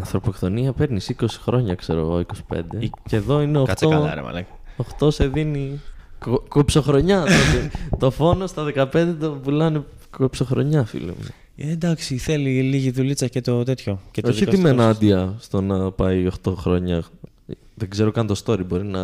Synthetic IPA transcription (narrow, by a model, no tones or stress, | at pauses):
ɐnθɾo̞po̞kt̪o̞niɐpe̞ɾnisiko̞si̥xɾo̞ɲɐkse̞ɾo̰ɣoikosi̥pḛnd̪e̞ceðo̞ineot̪o̰ɐ̰ | oxt̪o̞se̞ðinikokopso̞xɾo̞ɲɐot̪et̪o̞fo̞no̞st̪ɐðekɐpe̞nd̪et̪ovulɐne | kopso̞xɾo̞̰ɲɐfḭlo̰m̰ | ed̪ɐksiθe̞liliʝiðulit͡sɐcet̪ot̪et̪ço̞ceoðiimenɐd̪iɐst̪o̞nɐpɐio̞xt̪oxɾo̞ɲɐ | ðeɡze̞ɾokɐnt̪o̞st̪o̞ɾibo̞ɾinɐ